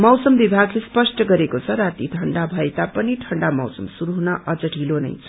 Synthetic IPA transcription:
mʌwsʌmbibʱaɡlespʌsʈʌɡʌɾekot͡sʰʌɾat̪iʈʰʌɳɖabʱʌet̪apʌniʈʰʌɳɖamʌwsʌmsuɾuɦunʌʔʌd͡zʌʈʰilonʌ̰jt͡sʰʌ̥

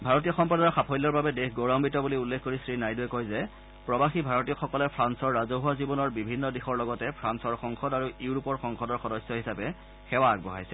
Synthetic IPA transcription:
bʱaɹɔt̬ijɔxɔmpadɔɹxapʰɔjlːɔɹbabɛdexɡoɹɔmbitɔbuliulːekʰːoɹisɹinajduɛkojzɛ | pɹɔbaxibʱaɹɔtijɔxɔkɔlɛpʰɹansɔɹːazoɦuazibɔnɔɹbibʱinːɔdixɔɹlɔɡɔtɛpʰɹansɔɹxɔŋxʰɔdaɹuuuɹupɔɹxɔŋxʰɔdɔɹxɔdɔsɔɦisapɛ | xɛwaːk̚bɔɦa̰jsɛ

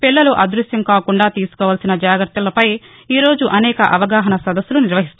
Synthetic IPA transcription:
piɭːɐluʔɐd̪ɾusjɐmkaːkuɳɖaːt̪iːsu̥kɔːʋaːlɐsinɐd͡ʒaːɡɾɐt̪ɐlɐpɐj | iːɾo̞ːd͡ʒuʔɐnɛːkɐʔɐʋɐɡaːɦɐnɐsɐd̪ɐsːuluniɾʋɐɦist̪u

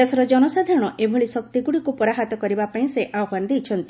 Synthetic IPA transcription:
esɔɾɔd͡ʒɔnɔsad̪ʱaɾɔɽ̃ɔʔebʱoɭisɔk̚t̪iɡuɽikupɔɾaɦat̪ɔkɔɾibapaĩseʔaɔɦand̪ejt͡ʃʰɔnt̪i

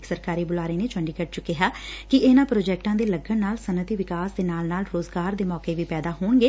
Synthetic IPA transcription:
ksəɾkaːɾiːbʊlaːɾeːneːt͡ʃəɳɖiːkəʈt͡ʃʊkːɪɦaːkɪɪnãːpɾoːd͡ʒɛːk̚ʈãːd̪eːləɡːənnaːlsənət̪iːʋɪkaːsd̪eːnaːlnaːlɾoːzɡaːɾd̪eːmɔːkeːʋiːpɛːd̪aːɦoːɳɡeː

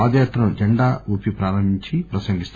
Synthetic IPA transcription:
aːd̪ɐjaːt̪ɾɐmd͡ʒɐɳɖaːuːpipɾaːɾɐmiɲt͡ʃipɾɐsɐŋɡist̪u

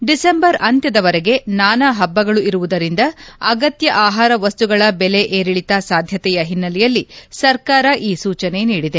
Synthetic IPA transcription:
ɖisembɐɾɐnt̪jɐd̪ɐʋɐɾeɡe̞naːnɐɦɐbːɐɡɐɭuiɾuʋud̪ɐɾind̪ɐɐɡɐt̪jɐʔaːɦaːɾɐʋɐst̪uɡɐɭɐbɛle̞ʔeːɾiɭit̪asaːd̪ʱjɐt̪ɛjɐɦinːɐlɛjɐlːisɐɾkaːɾɐʔiːsuːt͡ʃɐne̞niːɽid̪e̞

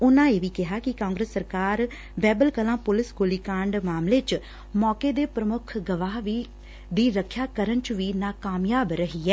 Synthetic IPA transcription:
ʊnãːeːʋiːkɪɦaːkɪkãːŋɡɾəsːəɾkaːɾ | bɛːbəlkəlãːpʊlɪsɡoːliːkãːɳɖmaːmleːt͡ʃ | mɔːkeːd̪eːpɾəmʊkʰɡəʋaːɦʋiː | d̪iːɾəkʰjaːkəɾənt͡ʃʋiːnaːkaːmjaːbɾəɦiːɛː

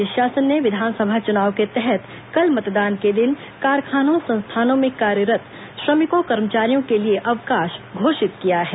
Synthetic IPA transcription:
ɪʃjaːsənːeʋɪd̪ʱaːnsəbʱat͡ʃʊnaːʋket̪ɛɦɛt̪ | kɐlmɐt̪d̪aːnked̪ɪn | kaːɾkʰaːnõsɐ̃nst̪ʰaːnõmẽkaːɾjəɾət̪ | ʃɾɐmɪkokɐɾmət͡ʃaːɾijõkelieʔɐʋkaːʃɡʱoːʃɪt̪kijaɦɛː

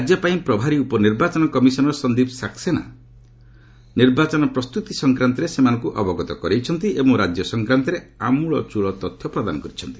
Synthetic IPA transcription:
ad͡ʒjɔpaĩpɾɔbʱaɾiupɔniɾbat͡ʃɔnɔkɔmisɔnɔɾɔsɔnd̪ibsaksena̰ | niɾbat͡ʃɔnɔpɾɔst̪ut̪isɔŋkɾant̪iɾesemanɔŋkuʔɔbɔɡɔt̪ɔkɔɾejt͡ʃʰɔnt̪iebɔŋɾad͡ʒjɔsɔŋkɾant̪iɾeamuɭɔt͡ʃuɭɔt̪ɔt̪ʰjɔpɾɔd̪anɔkɔɾit͡ʃʰɔnt̪i̥

